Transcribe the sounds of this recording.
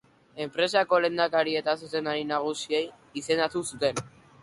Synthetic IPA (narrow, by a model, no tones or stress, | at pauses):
e̞mpɾe̞s̬ako̞le̞nd̪akaɾie̞t̪asuse̞naɾinaɣ̞usiej | ise̞nd̪at̪usut̪e̞n